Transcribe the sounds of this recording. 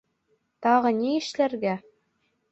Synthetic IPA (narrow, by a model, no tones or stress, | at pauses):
t̪ɑʁɤ̆nʲiɘ̆ʃlæɾɡæ